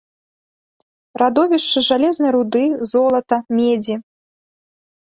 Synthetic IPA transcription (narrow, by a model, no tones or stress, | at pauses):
rad̪ɔvʲiʂt͡ʂɨʐalʲɛznɐjɾud̪ɨzɔlˠɐt̪ɐmʲed͡zʲi